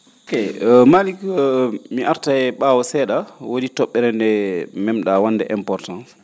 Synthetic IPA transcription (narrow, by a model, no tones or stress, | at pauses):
okemalikmiʔaɾtaɛɓawɔsɛɗawoditɔɓːɛɾɛndɛmɛmɗawandɛʔɛmpɔɾtãns